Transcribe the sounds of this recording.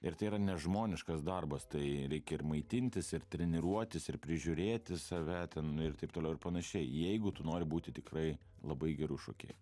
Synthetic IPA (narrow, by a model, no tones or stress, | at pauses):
ɪɾt̪ɐɪiɾɐnʲɛʒmoːnʲɪʃkɐsd̪ɐrbɐst̪ɐɪɾʲɛɪkʲɛɪrmɐɪt̪ʲɪnʲt̪ʲɪsɪrt̪ʲɾʲɛnʲɪɾuɔt̪ʲɪsɪɾpʲɾʲɪʒʲʊɾʲeːt̪ʲɪsɐʋʲɛt̪ʲɛnɪrt̪ɐɪp̚t̪oːlɛʊɪɾpɐnɐʃʲɛɪjɛɪɡʊt̪ʊnoːɾʲɪbuːt̪ʲɪt̪ʲɪkrɐɪ | lˠɐbɐɪɡʲɛɾʊʃo̰ːkʲɛ̰ɪ